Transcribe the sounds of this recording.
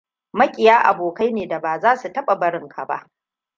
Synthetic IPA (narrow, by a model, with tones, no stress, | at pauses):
mɐ˦kʲʼɪ˨jaː˦ʔa̰˨boː˨kɐ˦jneː˨da˨baː˨zaː˦su˨tɐ˦ɓa˨bɐ˦ɾɪ˦ŋkʰa˨ba̰˦ʔ